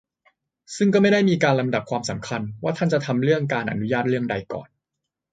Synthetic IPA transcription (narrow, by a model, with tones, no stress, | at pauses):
sɯ˥˩ŋkɔː˥˩ma˥˩jda˥˩jmiː˧kaː˧nla˧mda˨˩p̚kʰwaː˧msa˩˦mkʰa˧nwaː˥˩t̪ʰa˥˩nt͡ɕa˨˩t̪ʰa˧mɾɯ˥˩əŋkaː˧nʔa̰˧nu˦˥jaː˥˩t̪̚ɾɯ˥˩əŋda˧jkɔ̰ː˨˩n